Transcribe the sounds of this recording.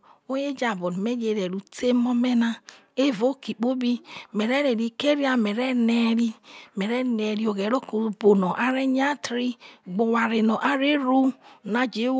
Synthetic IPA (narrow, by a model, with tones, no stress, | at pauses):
o˦je˦d͡ʒa˨bo˨n˨me˦d͡ʒe˨ɾe˨ɾu˨te˦mo˦me˦na˦ | e˦vo˦ki˨k͡po˦bi˦me˨ɾe˦ɾe˨ɾi˨ke˦ɾi˦a˦me˨ɾɛ˦ne˦˨ɾi˦me˨ɾɛ˦ne˨ɾi˦o˨ɡe˨ɾo˦ko˨bo˨nɔ˨ʔa˦ɾe˦ɲ˦a˦tɾi˦ɡ͡bo˨wa˨ɾe˨nɔ˨ʔa˦ɾe˦ɾu˦˨na˨d͡ʒe˨˦